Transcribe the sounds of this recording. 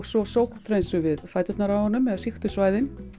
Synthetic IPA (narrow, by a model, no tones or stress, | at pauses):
ɣsɔsoːwkt̪ʰɾejnsʏvɪðfajt̪ʏt̪naɾavhɔnːʏmɛðsixt̪ʏsvaːjðɪn